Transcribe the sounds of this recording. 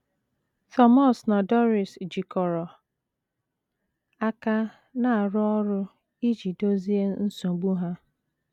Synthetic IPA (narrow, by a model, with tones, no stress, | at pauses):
tɔ˦mɔ˦sna˨dɔ˦ɾi˨sd͡ʒi˨kɔ˨ɾɔ˨ | a˦ka˦ | na˦˨a˨ɾʊ˦ɔ˦ɾʊ˦ | i˦d͡ʒi˨do˦zi˦e˦n̩˦sõ˨ɡ͡bu˦ɦa˦